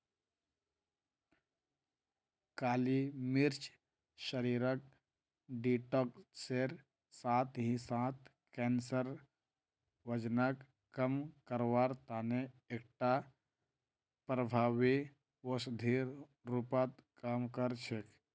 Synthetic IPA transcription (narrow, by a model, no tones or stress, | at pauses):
kaːlimiɾt͡ʃ | ʃəɾiːɾək̚ | ɖiʈɔkseɾ | saːt̪ɦĩsãt̪ | kɛːnsəɾ | ʋəd͡ʒnək | kəmkəɾwaːɾt̪aːneek̚ʈa | pɾəbʱaːwi | wosd̪ʱiɾ | ɾupat̪kamkəɾt͡ʃʰek